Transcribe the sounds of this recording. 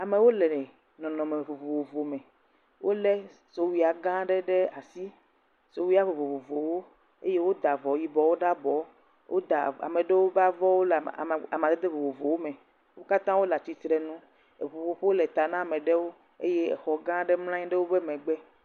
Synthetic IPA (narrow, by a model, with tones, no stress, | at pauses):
a˨me˨wo˦lɛ˨ɛ˨ | nɔ̃˨nɔ̃˨mẽ˨vo˨vo˨vo˨vo˨mɛ̃˨ | wʔo˦lɛ˦ | so˨wi˨a˨ɡã˦ɖɛ˦ɖe˦a˨si˦ | so˨wi˦a˦vo˨vo˨vo˨vo˨wo˦ | e˦je˦wo˦d̪a˨vɔ˨ji˦bɔ˨˦wo˦ɖa˦bɔ˨˦ | wʔo˦d̪a˨a̰˨mẽ˨ɖe˦wo˦ba˦vɔ˦wo˦la˨mã˨d̪e˦d̪e˦vo˨vo˨vo˨wo˦mɛ̃˨ | wo˦ka˦t̪ã˦wo˦la˨t̪i˨t̪ɾɛ˨nũ˦ | e˨vo˨vo˨ɸe˦wo˦lɛ˨t̪a˨nã˦a˨mẽ˨ɖe˦wo˦ | e˦je˦˨xɔ˨ɡã˦ɖe˦ml̃ã˦ɲĩ˦ɖe˦wo˦bɛ˦mɛ̃˨ɡ͡bɛ˦